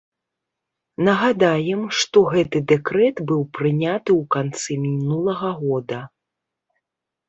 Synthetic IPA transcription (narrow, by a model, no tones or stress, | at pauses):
nɐɣad̪ajɛmʂt̪ɔɣɛt̪ɨd̪ɛkɾɛt̪bɨwpɾɨnʲat̪ɨwkant̪sɨmʲinulˠɐɣɐɣɔd̪ɐ